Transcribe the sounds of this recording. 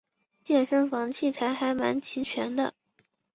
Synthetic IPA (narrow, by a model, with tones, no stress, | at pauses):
t͡ɕjɛ˥˩nʂə˥˩ŋfɑ˧˥ŋt͡ɕʰi˥˩t͡sʰa˧˥ɪxa˧˥ɪma̰˧˥nt͡ɕʰi˧˥t͡ɕʰɥɛ˧˥nd̪ə̰˧